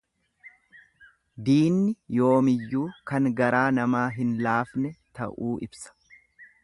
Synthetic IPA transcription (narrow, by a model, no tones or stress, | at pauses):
d̪iːnːɪjo̞ːmɪjːuːkɐŋɡɐɾaːnɐmaːɦɪnlaːfnɛt̪ɐ̰ʔuːʔɪbsɐ̥